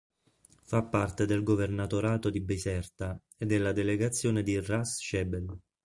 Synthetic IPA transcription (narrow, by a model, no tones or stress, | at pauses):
fapːart̪ed̪elɡovernat̪oɾaːt̪od̪ibesɛrt̪a | ed̪ːelːad̪eleɡat̪sːjoːned̪irasʃɛbel